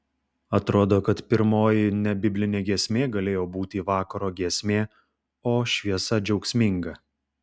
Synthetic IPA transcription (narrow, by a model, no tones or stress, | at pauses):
ɐt̪ɾoːd̪oːkɐt̪pʲɪɾmoːjɪnʲɛbʲɪbʲlʲɪnʲeːɡʲɛːsʲmʲeːɡɐlʲeːjoːbuːt̪ʲiʋɑːkɐɾoːɡʲiɛsʲmʲeː | oːʃʲʋʲiɛsɐd͡ʒʲɛʊksʲmʲɪŋɡɐ